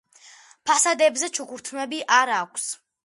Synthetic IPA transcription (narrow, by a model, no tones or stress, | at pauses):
pʰasad̪ɛbzɛt͡ʃʰukuɾt̪ʰmɛbiʔaɾakʷʰs